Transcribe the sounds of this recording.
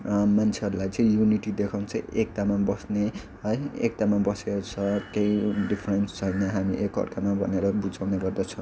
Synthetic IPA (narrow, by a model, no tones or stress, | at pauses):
mant͡sʰeʌɾulajt͡sʌ̃ĩjuniʈid̪ekʰaw̃nt͡sʌĩek̚t̪amabʌsne | ʌḛk̚t̪amabʌsekot͡sʰʌkejɖipʰrenst͡sʰʌjnʌɦamiʔekʌ̰rkamabʱʌ̰neɾʌbud͡zawneɡʌrd̪ʌt͡sʰʌ̃